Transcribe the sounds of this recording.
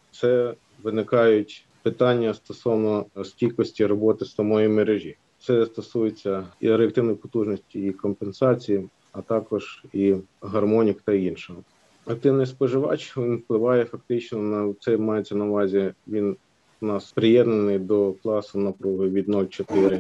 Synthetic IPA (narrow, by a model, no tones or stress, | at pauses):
t̪sɛ | ʋɪnɪkɑjʊtʲ | pɪt̪ɑnʲːɐst̪ɔsɔʋnɔskʲilʲkɔsʲtʲiɾɔbɔt̪ɪsɐmɔjimeɾeʒʲi | t̪sɛst̪ɔsujet͡sʲːɐiɾeɐk̚t̪ɪwnɔjipɔt̪uʒnɔsʲtʲiikɔmpensɑt͡sʲiji | ɐt̪ɑkɔʒ̥iɦɐrmɔnʲikt̪ɐinʃɔɦɔ | ɐk̚t̪ɪwnɪspɔʒɪʋɑ̰t͡ʃʋʲinwplˠɪʋɑjɛfɐk̚t̪ɪt͡ʃnɔnt̪sɛmɑjet͡sʲːɐnɐʋɑzʲiʋʲin | nɑspɾɪjɛd̪nenɪjd̪ɔklˠɑsʊnɐpɾɔɦʊʋʲid̪nulʲt͡ʃɔt̪ɪɾɪ